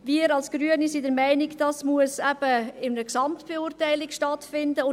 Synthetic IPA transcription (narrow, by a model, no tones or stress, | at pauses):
viːəɾɑlsɡ̥ɾyənisidəɾmæɪnikd̥ɑsmuəsɛb̥əɪnəksɑmtb̥euɾtæɪlɪkʃtɑtfɪndəʊ